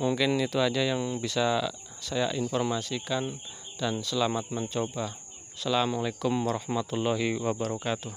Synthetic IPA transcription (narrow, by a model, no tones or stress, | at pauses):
muŋkɪnit̪uad͡ʒajaŋbisa | saja̰ʔinfɔrmasikand̥ansəlamat̪̚məɲt͡ʃoba | salamɔlekʊmwaɾɔhmat̪ulːɔɦiwabaɾɔkat̪uh